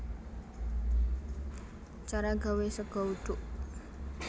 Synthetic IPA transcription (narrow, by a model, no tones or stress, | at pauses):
t͡ʃaɾaɡa̤wesəɡ̥ɔ̤uɖ̪̥ʊʔ